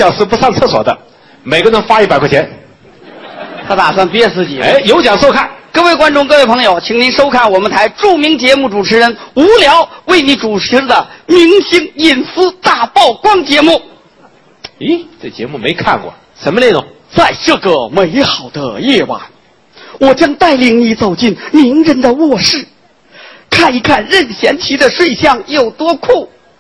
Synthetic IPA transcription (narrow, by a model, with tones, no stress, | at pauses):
jɑ˨˩ŋʂɹ̩˥˧˩pu˧˥sɑ˥˧ŋt͡sʰɤ˥˩swɔ̰˨˩d̪ə̰˦ | me˨˩ɪɡə˧nə˧˥ŋfa˥i˥˩pa˨ɪkʰɔ˥˩t͡ɕʰɛ˧˥n | t̪ʰa˥t̪a˨˩s̬wa˥˩npjɛ˥t͡sɹ̩˥˩t͡ɕi˨˩ḛ˧˥ɪjo˧˥ʊt͡ɕjɑ˨˩ŋʂo˥ʊkʰa˥˩nkɤ˥˧we˥˩ɪkwa˥nʈ͡ʂʊ˥˧ŋk̬ɤ˥˧we˥˩ɪpʰɤ˧˥ŋjo˧˩ʊt͡ɕʰi˧˩ŋni˧˥nʂo˥ʊkʰa˥˩nwɔ˨˩mə˦nt̪ʰa˧˥ɪʈ͡ʂu˥˩mi˧˥ŋt͡ɕjɛ˧˥mu˥˩ʈ͡ʂu˨˩ʈ͡ʂʰɻ̩˧˥ɻə˧˥nu˧˥ljɑ˧˥ʊwe˥˩ɪni˧˥ʈ͡ʂu˨˩ʈ͡ʂ̩ʰ˧˥d̪ə˧mi˧˥ŋɕi˥ŋi˥˩nsɹ̩˥t̪a˥˩pɑ˥˩ʊkwɑ˥ŋt͡ɕjɛ˧˥mu˥˩ | i˧˥t͡sə˥˩t͡ɕjɛ̰˧˥mu˥˩me˧˥ɪkʰa̰˥˧nkwɔ̰˥˩ | ʂə˧˥nmə˧le˥˧˩t̪ʊ̰˨˩ŋ | t͡sa˥˧ɪʈ͡ʂɤ˥˩ɡə˩me˧˥ɪxɑ˨˩ʊd̪ə̰˦jɛ˥˧˩wa̰˨˩˦n | wɔ˨˩t͡ɕjɑ˥ŋt̪a˥˩ɪli˨˩ŋni˨˧˥t͡so˨˩ʊt͡ɕi˥˩nmi˧˥ŋɻə˧˥nd̪ə˧wɔ˥˧ʂɻ̩˥˩ | kʰa˥˩ni˧˥kʰa˥˧nɻə˥˧nɕjɛ˧˥nt͡ɕʰi˧˥d̪ə˧ʂwe˥˧ɪɕjɑ˥˧ŋjo˨˩ʊt̪wɔ˥kʰu˥˩